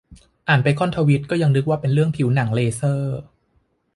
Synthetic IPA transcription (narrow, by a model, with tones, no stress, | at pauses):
ʔaː˨˩npa˧jkʰɔ˥˩nt̪ʰaː˧wi˦˥t̪̚kɔː˥˩ja˧ŋnɯ˦˥k̚waː˥˩pe˧nɾɯ˥˩əŋpʰi˨˩˦wna˩˦ŋleː˧sɤː˥˩